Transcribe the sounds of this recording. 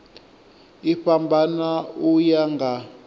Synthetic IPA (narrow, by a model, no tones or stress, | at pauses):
iɸʰambʱanaujaŋɡa